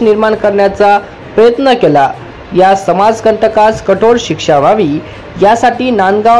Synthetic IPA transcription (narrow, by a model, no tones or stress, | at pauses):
niɾmaɳkəɾɳjat͡sa | pɾəjət̪nəkela | jasəmad͡zkəɳʈəkaskəʈʰoɽɕikʂaʋaʋiː | jasaʈiːnanɡa